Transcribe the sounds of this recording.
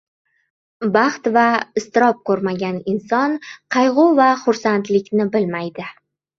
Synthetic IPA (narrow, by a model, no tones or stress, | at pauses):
bɑχt̪vaɪst̪ɪɾɒp̚kʰɵɾmaɡʲanɪnsɒnqʰɑjʁʊvaχʊɾsant̪lɪkʲnɪbɪlmajd̪ɪ